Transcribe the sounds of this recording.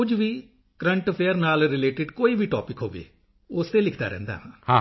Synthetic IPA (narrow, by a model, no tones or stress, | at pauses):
kʊd͡ʒʋiː | kɾəɳʈpʰeːəɾnaːlɾɪleːʈɪɖkoːiːbiːʈɔːpɪkɦo̰ːʋḛː | ʊst̪eːlɪkʰd̪a̰ːɾɛ̰̃ːnd̪a̰ːɦãːhãː